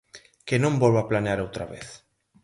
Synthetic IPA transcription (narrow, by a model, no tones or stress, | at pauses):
kenõmbolβaplaneaɾowt̪ɾa̰βḛθ